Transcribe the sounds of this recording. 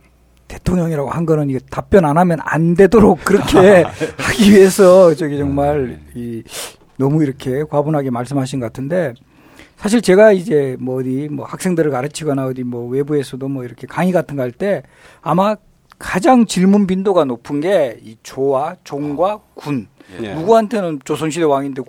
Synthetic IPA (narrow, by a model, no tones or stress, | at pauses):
te̞tʰoŋɲʌŋiɾaɡohanɡʌnɯniɡetap͈jʌnanamjʌna̰nde̞doɾok̚k͈ɯɾʌkʰe̞haɡiɥie̞sʰʌt͡ɕʌɡit͡ɕʌŋmaɭi | nʌmuiɾʌkʰe̞kwabonɦaɡe̞maɭs̬͈ɯmɦaɕ̬ʰinɡkatʰɯnde̞ | sʰaɕ̬ʰiɭt͡ɕe̞ɡaid͡ʑe̞mʌːdimwʌhak̚s͈e̞ŋdɯɾɯɭkaɾɯt͡ɕʰiɡʌnaɯdimwʌwe̞bue̞sʰʌdomwʌiɾʌkʰe̞kaŋiɡatʰɯnɡʌɦaɭt͈e̞ | ama | kad͡ʑaŋt͡ɕiɭmunpindoɡanopʰɯnɡe̞it͡ɕowat͡ɕoŋɡwakun | nuɡuɦantʰe̞nɯnt͡ɕosʰoŋɕ̬ʰidewaŋinde